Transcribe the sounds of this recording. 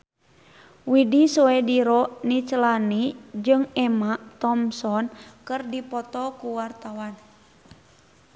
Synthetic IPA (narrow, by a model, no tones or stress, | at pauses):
widisuɛdiɾɔnit͡ʃlanid͡ʒɨŋɛmat̪ɔmsɔnkɨrdipɔt̪ɔkuwart̪awan